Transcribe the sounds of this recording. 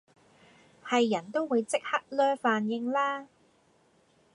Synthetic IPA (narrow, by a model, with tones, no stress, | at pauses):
hɐ˨jːɐ˨˩nt̪o˥wwuː˨˧jt͡sɪ˥k̚hɐ˥k̚lœː˥faː˨njɪ˧ŋlaː˥